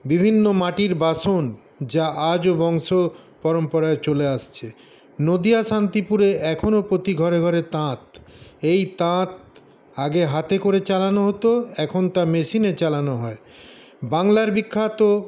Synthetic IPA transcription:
bibʱinːomaʈiɾbaʃon | d͡ʑaʔad͡ʑobɔŋʃo | pɔɾompɔɾaet͡ɕoleaʃt͡ɕʰe | nod̪iaʃant̪ipuɾeɛkʰonopɾot̪iɡʱɔɾeɡʱɔɾet̪ãt̪̚ | ejt̪ãt̪̚ | aɡeɦat̪ekoɾet͡ɕalanoɦot̪oɛkʰont̪ameʃinet͡ɕalanoɦɔe | baŋlaɾbikʰːat̪o

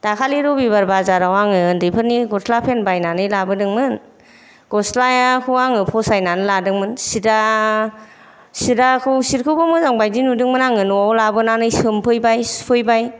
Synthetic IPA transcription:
d̥akʰaliɾɔbibaɾbazaɾawaŋɯndɯpʰɯɾniɡɔslapʰenbajnanɯjlabɯdɯŋmɯn | ɡ̥ɔslajakʰuwaŋɯpʰɔsajnanɯladɯŋmɯnsida | sidakʰɯwsiɾkʰɯbɯmɯzaŋbajdinudɯŋmɯnaŋɯnuawlabɯnanɯjsɯmpʰɯjbajspʰɯjbaj

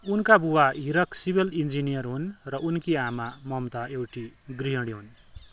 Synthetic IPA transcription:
unkabuwaɦiɾʌksibelind͡zinijʌrɦunrʌʔunkiamamʌmt̪aewʈiɡriɦʌɽiɦun

